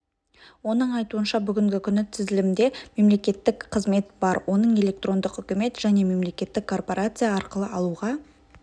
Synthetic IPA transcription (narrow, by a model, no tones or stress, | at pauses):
wo̞nəɴɑjt̪uənʃɑbʏɡʲɪŋɡʲɪkʲʰʏnːɪt̪ʰɪzɪlɪmɪnd̪e̞me̞mle̞kʲe̞t̪ːɪkqʰəzme̞t̪bɑɾwʔo̞nəɴe̞le̞k̚t̪ro̞nd̪əqʏkʲɪme̞t̪ʒ̥æne̞me̞mle̞kʲe̞t̪ːɪkʰːo̞rpo̞ɾʔat̪sɨjaɑɾqəlˠəɑlˠuʁɑ